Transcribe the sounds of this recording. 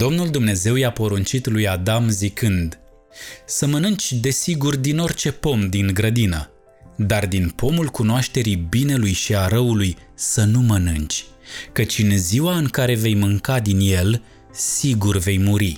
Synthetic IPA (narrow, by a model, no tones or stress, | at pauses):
d̪o̞mnuld̪umne̞ze̞wjapo̞ɾunt͡ʃit̪lujad̪amzikɨnd̪ | səmənɨnt͡ʃʲd̪e̞siɡurd̪ino̞rʲt͡ʃe̞po̞md̪iŋɡɾəd̪inə̰ | d̪ard̪inpo̞mulkunoaʃt̪e̞ɾibine̞lujʃiaɾəulujsənumənɨnt͡ʃʲkət͡ʃʲɨnziwaɨŋkaɾe̞ve̞jmɨŋkad̪inje̞l | siɡurve̞jmuɾi